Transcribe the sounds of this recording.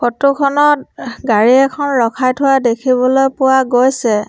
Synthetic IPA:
kotukʰɔnɔtɡaɹiɛkʰɔnɹɔkʰajtʰʊwadekʰibɔlojpʊwaɡojsɛ

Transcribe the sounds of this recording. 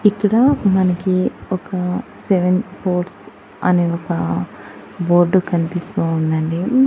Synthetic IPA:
ikɐɽamɐnɐkiɔkɐseʋenpoːɾʈs | ɐ̰neokɐ | boːɾɖukɐnipisounːɐɳɖi

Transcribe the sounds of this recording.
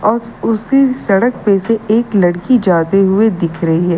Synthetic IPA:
ɔːsʊsisɐɽək̚peseeːklɐɽkid͡ʒaːt̪eɦʊed̪ɪkʰɾɐɦiɦɛː

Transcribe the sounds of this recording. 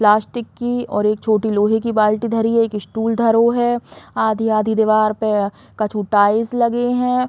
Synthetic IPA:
plaːsʈɪkːiɔ̰ːɾeːk̚t͡ʃʰoːʈiloːɦekibaːlʈid̪ʱɐɾiɛeːkɪsʈuːld̪ʱɐɾoɦɛaːd̪ʱiaːd̪ʱid̪eʋaːɾpe | kɐt͡ʃʰuʈaːɪzlɐɡeɦɛ̃ː

